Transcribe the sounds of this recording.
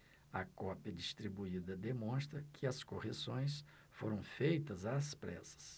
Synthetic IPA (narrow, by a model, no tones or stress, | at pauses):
ɐkɔpjɐd͡ʒist̪ɾibuid̪ɐd̪emõst̪ɾɐkʰɪɐskohesõj̃s | foɾɐ̃w̃fejt̪ɐzaːspɾɛ̰sɐ̥s